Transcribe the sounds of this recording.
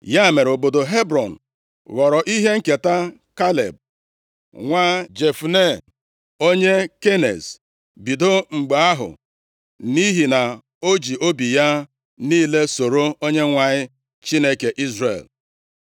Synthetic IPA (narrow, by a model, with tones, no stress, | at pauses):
ja˦˨me˨ɾo˨bo˨do˨ɦe˦bɾɔ˨n̩˨ | ɣɔ˨ɾɔ˨ʔi˦ɦe˦ŋ̩˦ke˨ta˦ | ka˦lḛ˨b̚ | ŋʷa˦d͡ʒe˨fu˨ne˦ | o˦ɲe˦ke˦nḛ˨z | bi˨do˦ŋ͡m̩˨ɡ͡be˨a˦ɦʊ̰˨ | ni˦ɦi˨na˨ | o˦d͡ʒi˨ʔo˦bi˨ja˦ | niː˦le˦so˨ɾo˦o˦ɲe˦ŋʷa˨ɲɪ˦ | t͡ʃi˦ne˦ke˨ʔi˦zrḛ˨l